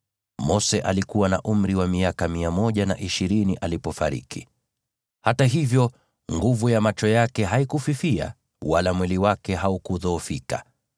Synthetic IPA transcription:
mɔsɛʔalikuwana̰ʔum̩ɾiwamiakamiamɔʄana̰ʔiʃiɾiniʔalipɔfa̰ɾḭki | hataɦivjɔ | ŋɡuvujamat͡ʃɔjakɛɦaikufifia̰ | walamwɛliwakɛɦaukuðɔːfika̰

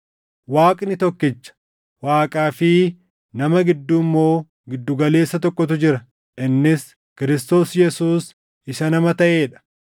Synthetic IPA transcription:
waːkʼnɪt̪ɔkːɪt͡ʃːɐ̥ | waːkʼaːfɪ | nɐmɐɡɪd̪ːuːmːo̞ː | ɡɪd̪ːʊɡɐle̞ːsːɐt̪ɔkːɔt̪ʊd͡ʒɪɾɐ | ʔɪnːɪs | kɪɾɪst̪o̞ːsjɛsuːs | ɪʃɐnɐmɐt̪ɐʔe̞ːᶑɐ̥

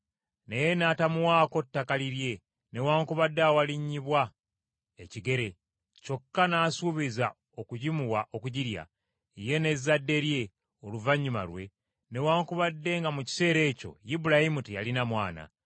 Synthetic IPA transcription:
neje̞naːtamuwaːko̞tːakaliɾje̞ | ne̞waːŋkuβadːaːwaliɲːiβwa | eciɡe̞ɾe̞ | co̞kːanaːsuβiza | okuɟimuwaʔo̞kuɟiɾja̰ | ije̞ne̞zːadːe̞ɾje̞ | o̞luvaɲːuma̰lwe̞ | ne̞waːŋkuβadːe̞ŋɡamuci̥se̞ːɾe̞ːco̞̰jibuɾahimutija̰linamwaːna̰

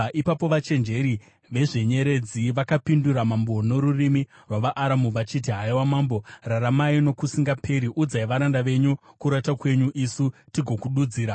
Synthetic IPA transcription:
ʔipapo̞ʋat͡ʃe̞nd͡ʒe̞ɾi | ʋe̞ʐe̞ɲe̞ɾe̞d͡ziʋakapinduɾamambo̞no̞ɾurimi | rwaʋaʔːɾamuʋat͡ʃit̬iɦaiwamaːmbo̞raɾamaino̞kusiŋɡapʰe̞ɾiʔud͡zaiʋaɾandaʋe̞ɲukuɾatakwe̞ɲuʔisutiɡʱo̞kuɗud͡ziːɾa

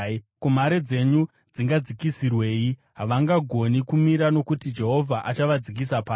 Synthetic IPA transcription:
kum̤aɾe̞d͡ze̞ɲu | d͡ziŋɡad͡zikisirwe̞ːji | ɦaʋaŋɡaɡʱo̞nikumiɾano̞kutid͡ʒe̞ɦo̞vʱaʔat͡ʃaʋad͡zik̬isapaː

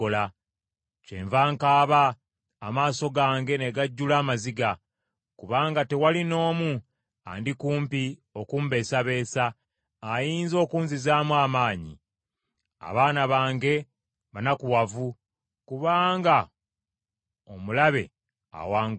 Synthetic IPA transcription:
ola | ceːɱvaːŋkaːβaː | maːso̞ɡaːŋɡe̞ne̞ɡaɟːulaːmaziɡa | kuβaːŋɡate̞walino̞ːmu | a̰ndikuːmpio̞kumbe̞ːsaβe̞ːsaː | jiːnzo̞ːkuːnzizaːmwaːmaːɲḭ | a̰βaːnaβaːŋɡe̞ | βanakuwavu | kuβaːŋɡa | o̞mulaβe̞ | a̰waːŋ

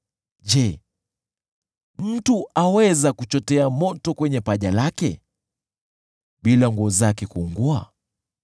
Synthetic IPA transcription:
d͡ʒɛ | m̩tuʔawɛzakut͡ʃɔtɛamɔtɔkwɛɲɛpaʄalakɛ | ɓilaŋɡuɔzakɛkuːŋɡua

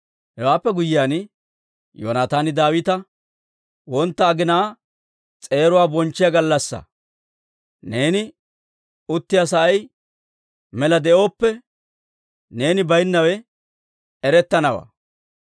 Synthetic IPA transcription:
hɛwaːpːɛɡʊjɪjaːn | jo̰ːnaːt̪aːnɪd̪aːwɪt̪ɐ | wɔnt̪ːɐːɡɪnaː | t͡sʼe̞ːɾʊwaːbɔnt͡ʃːɪjaɡɐlːɐsːɐ̰ | ne̞ːnɪ | ʊt̪ːɪjas̬ɐʔɐj | mɛlɐd̪ɛʔo̞ːpːɛ | ne̞ːnɪbɐjnːɐwɛ | ɛɾɛt̪ːɐnɐwa̰ː

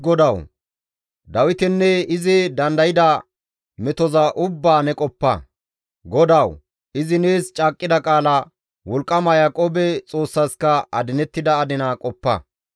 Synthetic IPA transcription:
ɡɔd̪ɐw | d̪ɐwɪt̪ɛnːɛɪzɪd̪ɐnd̪ɐjɪd̪ɐ | mɛt̪ɔzɐʔʊbːaːnɛkʼɔpːɐ̰ | ɡɔd̪ɐw | ɪzɪneːst͡ʃʼaːkʼːɪd̪ɐkʼaːlɐ | wɔlkʼːɐmɐjɐkʼɔbɛt͡sʼo̞ːsːɐskɐɐd̪ɪnɛt̪ːɪd̪ɐːd̪ɪnɐkʼɔpːɐ̰

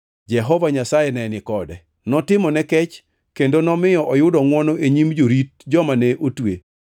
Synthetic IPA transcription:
d͡ʒɛɦɔvaɲasajɛnɛnɪkɔdɛ | nɔtɪmɔnɛkɛt͡ʃ | kendonɔmɪjɔʔɔjʊdɔŋwɔnɔʔeɲimd͡ʒoɾit̚d͡ʒɔmanɛʔotwe

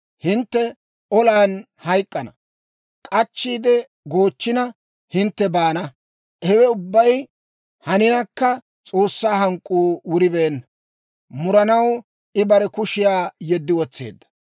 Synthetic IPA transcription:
hɪnt̪ːɛ | ɔlaːn | hɐjkʼːɐnɐ | kʼɐt͡ʃːiːd̪ɛ | ɡo̞ːt͡ʃːɪnɐ | hɪnt̪ːɛbaːnɐ | hɛwɛʊbːɐj | hɐnɪnɐkːɐ | t͡sʼo̞ːsːaːɦɐŋkʼːuːwʊɾɪbeːn | mʊɾɐnɐw | ɪbɐɾɛkʊʃɪjaːjɛd̪ːɪwɔt͡sːe̞̰ːd̪ːɐ̥

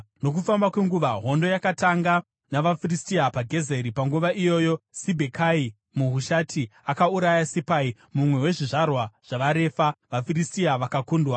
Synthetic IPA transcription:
no̞k̬ufambakwe̞ŋɡuʋaɦo̞ndo̞jakataŋɡa | naʋafiristiapaɡʱe̞ze̞ɾipaŋɡuʋaʔijo̞jo̞sibʱekʰai | muɦuʃatʰiakauɾajasipai | mumwe̞we̞ʐiʐarwaʐ̥aʋaɾe̞faʋafiristiaʋakakuːndwa

